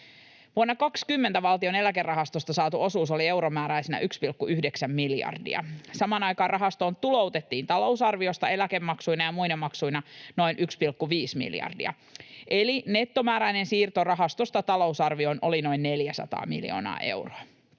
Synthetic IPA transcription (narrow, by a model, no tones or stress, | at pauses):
ʋuɑnːɑkɑkskymːent̪æʋɑlt̪io̞ne̞lækerːɑɦɑst̪ost̪ɑsɑːt̪uʔo̞suːso̞lie̞wɾomæːɾæjsenæ̰ʔykspilkːuyhdeksæmːiljɑ̰rdḭɑ̰sɑmɑːnɑjkɑːnrʔɑɦɑst̪o̞ːnt̪ulo̞uwt̪e̞t̪ːiːnt̪ɑlo̞usɑrʋio̞st̪ɑe̞læke̞mːɑksujnɑjɑmujdemːɑksujnɑno̞inʔykspilkːuʋiːsmḭljɑ̰rdḭɑ̰ | ʔe̞line̞t̪ːo̞mæːɾæinensiːrt̪o̞rɑɦɑst̪ost̪ɑt̪ɑlo̞usɑrʋio̞nʔo̞lino̞inne̞ljæsɑ̰t̪ɑ̰ːmḭljo̰ːnɑ̰ːʔe̞̰wroɑ